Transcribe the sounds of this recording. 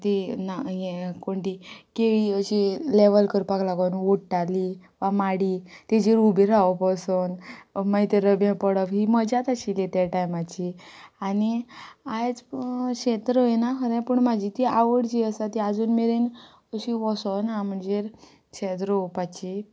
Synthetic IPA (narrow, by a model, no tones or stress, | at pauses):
t̪inaɦikoɳʈ̪ikeɭiəɕileʋəlkəɾpaklaɡawnʋoʈʈali | ʋamaɽiːt̪ad͡ʑiɾubiɾaʋəpɔsənmajt̪əɾəbjãpəɽəʋɦiːməd͡ʑat̪aɕilet̪jaʈajmat͡ɕianiad͡zkɕet̪ɾəjnakʰəɾãpəɳmad͡ʑʱit̪iaʋəɽd͡ʑiːəsat̪iad͡zuːnmeɾen | əɕiʋɔsɔwnam̤əɳd͡zeɾ | ɕet̪̬ɾəupat͡ɕi